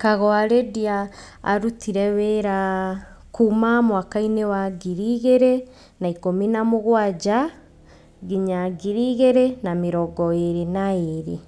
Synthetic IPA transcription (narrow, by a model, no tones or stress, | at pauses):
kaɣɔaɾedia̰ː | ɾutiɾɛweɾa | kumamwakainewaɡiɾiɣeɾe | naikominamoɣwaɟa | ɣiɲaɡiɾiɣeɾenamiɾɔɡɔeɾenaeɾi